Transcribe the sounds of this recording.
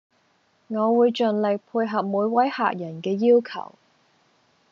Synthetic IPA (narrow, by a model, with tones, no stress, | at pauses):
ŋɔː˨˧wuː˨˧jt͡ʃɵ˨nlɪ˨k̚pʰuː˧jɦɐ˨p̚muː˨˧jwɐ˨˥jha̰ː˨k̚jɐ˨˩nkɛː˧jiː˥wkʰɐ̰˨˩w